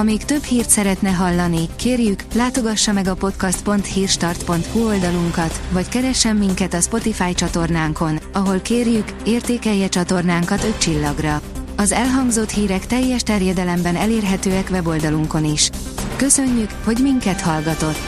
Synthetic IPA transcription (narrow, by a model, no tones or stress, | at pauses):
ɒmiːkt̪ø̞bhiːrt̪sɛɾɛt̪nɛɦɒlːɒnikeːrjyklaːt̪o̞ɡɒʃːɒmɛɡɒpo̞t̪kɒst̪po̞nt̪hiːrʃt̪ɒrt̪po̞nt̪huo̞ld̪ɒluŋkɒt̪ʋɒckɛɾɛʃːɛmːiŋkɛt̪ɒspo̞t̪ifaːjt͡ʃɒt̪o̞rnaːŋko̞nɒɦo̞lkeːrjyk | eːrt̪eːkɛjːɛt͡ʃɒt̪o̞rnaːŋkɒt̪ø̞ct͡ʃilːɒɡrɒɒzɛlɦɒŋɡzo̞t̪hiːɾɛkt̪ɛjːɛʃt̪ɛrjɛd̪ɛlɛmbɛnɛleːrɦɛt̪øːɛkʋɛbo̞ld̪ɒluŋko̞niʃ | kø̞sø̞ɲːykho̞ɟmiŋkɛt̪hɒlɡɒt̪o̞t̪ː